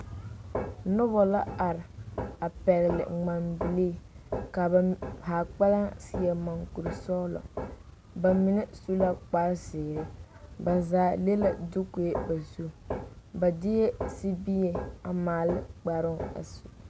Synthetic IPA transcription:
nʊ˦bɔ˨la˦a˨ɾɪ˨a˨pɛ˨ɣɪ˨lɪ̰˨ŋ͡ma˨mbi˨leː˦˨ka˨ba˨haː˨k͡pa˦la˦ŋsɪ˦ɛ˨ma˨ŋku˨ɾɪ˨sɔ˦lɔ̰˨ | ba˨mɪ˨nɛ˦su˦la˦k͡pa˦ɾsɪː˨ɣɾɪ˦ | ba˨zaː˨˦le˦la˨dʊ˦ku˨e˦ba˨zu˦ba˨dɪ˦jɛ˦si˦bi˦je˨a˨maː˨lɪ˦k͡pa˨ɾʊ˦ŋa̰˨su˨

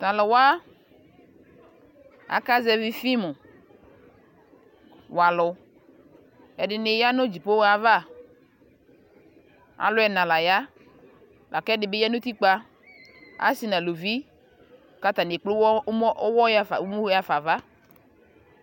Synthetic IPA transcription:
t̪a˨lɔ˨wa˦ | a̰˨˦ka˦zɛ˦vi˦fi˦mu˨ | wa˨lʊ˨ | ɛ˨dɪ˨nɪ˨ja˦nʊ˦d͡ʒi˨po˦wa˨va˦˨ | a̰˨lʊ˦ɛ˨nã˨la˨ja˦ | lʔa̰˨kɛ˦dɪ˨bɪ˦ja˦nʊ˦t̪i˦k͡pa˦ | a̰˦si˨nã˨lo˨vi˦ | ka˦t̪a˨ne˨k͡plʊ˦wwɔ˦ja˦fa̰˨˦m˦ja˦fa˨va˦

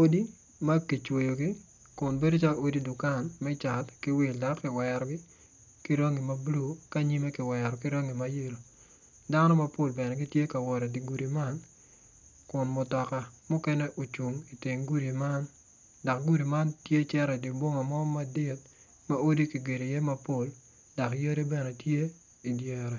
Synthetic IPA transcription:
o˦di˦ | ma˦ki˨t͡ʃwo˨jo˨ɡɪ˦ | kʊ˨nbe˦do˦t͡ʃa˦lo˦di˦dʊ˨ka˦˨nmɛ˦t͡ʃa˨tkɪ˦wɪ˨lda˨kːɪ˨wɛɾɔ˦ɡɪ˦ | ki˦ɾɔ˦ŋi˨ma˦blu˦˨ka˦ɲi˦me˦kɪ˨wɛ˨ɾɔ˨kɪ˦ɾɔ˦ŋi˨ma˦je˦lo˨ | da˦nɔ˦ma˦po˨lbɛ˨nɛ˨ɡɪ˦tje˦ka˨wɔ˨ɾɛ˨di˨ɡu˨ɾi˨ma˦n | kʊ˨nmʊ˨tɔ˨ka˨mʊ˦kɛ˦nɛ˦ʔo˨t͡ʃu˨ŋi˨tɪ˨ŋɡu˦ɾi˨ma˦n | da˨kɡu˦ɾi˨ma˦ntje˦t͡ʃɛ˦ɾɛ˨di˨bwo˦ŋa˨mɔ˦ma˦˨dɪ˦˨t̚ | ma˦o˦di˦ki˨ɡe˨ɾe˨jɛ˦ma˦po˦˨l | da˨kjo˦ɾi˦bɛ˨nɛ˨tje˦ | i˨djɛ˨ɾɛ˨

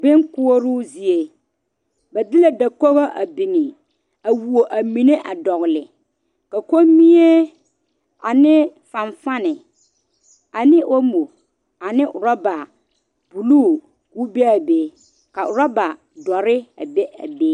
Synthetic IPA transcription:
bɪ˦ŋkʊ˦o˦ɾʊ˦zi˨e˨ | ba˨dɪ˦la˦da˨ko˦ɣo˦ʔa̰˨bi˨ŋɪ˨ | a˨wu˨o˨ʔa˨mi˨ne˦ʔa˨dɔ˨ɣɪ˨lɪ˨ | ka˨ko˦mi˦e˦ | a˨nɪ˦fã˨ɱfa˦nɪ˨ | a˨nɪ˦ʔo˦mo˨ | a˨nɪ˦ʔʊ˨ɾa˦ba˨ | b̥u˨luː˦˨ | ku˦bɛ˦a˨be˨ | ka˨ʔʊ˨ɾa˦ba˨ | dɔ˨ɾɪ˦a̰˨bɛ˦a̰˨be˦

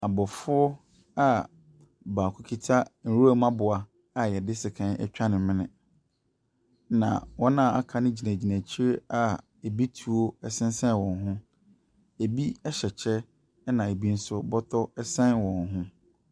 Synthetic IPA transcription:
a˨bɔ˨fʊ˦ɔ˦ | a˦ | baː˨kʰʊ˦kʰi˦tʰa˦n̩˨ɾu˦a˦mã˦bʊ˨a˨ | a˨jɛ˨dɪ˦sɪ˨kʰã˦nɛ̰˦t͡ɕᶣa˦nɪ̃˨mɪ̃˦nɪ̰̃˨ | nã̰˨wɔ̃˦nã˦˨a̰˨kʰa˦nɪ̃˦d͡ʑi˨næ̃˨d͡ʑi˨næ˨t͡ɕʰi˦ɾe˦a˨ | e˨bi˦tʰu˨o˦ɛ˦sɪ̃˦n˦sɛ̃˦n˨wɔ̃˨n˨ɦʊ̃˦ | e˨bi˦ɛ˦ɕɛ˨t͡ɕʰɛ˦ | nã˨e˨bi˦n̩˦sʊ˦bɔ˦tʰɔ˦ɛ˦sɛ̃˦nwɔ̃˨nɦʊ̃˦

